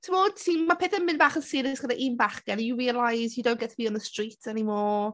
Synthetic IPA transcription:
tʰəmoːdtʰinmapʰeθənmɪ̃nbaːχənsɪɾɪsɡ̥ədaʔinbaχɡ̥ɛnəjuɹiːəlajzjudõw̃nɡ̥ɛtʰəbiɔnðəstr̥itʰɛnimɔː

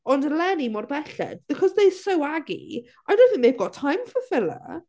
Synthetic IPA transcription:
ɔ̃ndlɛnimɔrbɛɬɛ̰d̚b̥ɨkʰɔzðejsowaɡḭ | ajdʌðən̩meb̚ɡɔtʰajmfəfɪlˠə̰

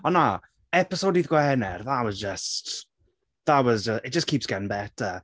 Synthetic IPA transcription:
ɔna | ɛpɪsodiːðɡwɛnɛrðawɔzd͡ʒəst | ðawɔzd͡ʒəɪt̚ʒ̥ʌskʰiːˑpsɡ̥ɛnbɛtʰə

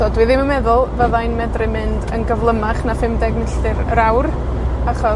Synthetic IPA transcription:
odwɨðɪməmɛðʊlˠvəðajnmɛdrɨmɪndənɡəvlˠəmaχnafɪmdɛɡmɪɬɨrəɾawr | aχɔ

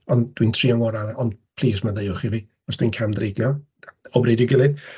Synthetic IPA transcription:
ɔnd̥wintʰriːaŋɔɾaɔndpʰl̥ˠiːsmaðejʊχiviː | ɔsd̥winkʰamdreɡlˠjɔ | ɔbredjɪɡɪlˠɨd

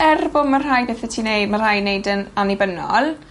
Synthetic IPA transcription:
ɛrbʊmːarrajbɛθɛtʰiːnejdmar̥hajnejdənanibənɔ̰lˠ

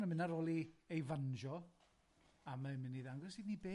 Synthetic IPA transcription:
nəmɪnaɾoːlˠiejvanʒɔ | amaɪmɪniðaŋɡɔsiːdnibeː

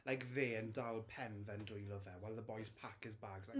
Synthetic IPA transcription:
lajkðeːəndalˠpʰɛnvɛndʊjlˠɔðɛwɛlˠðəbɔjspʰakɪzbaɡza

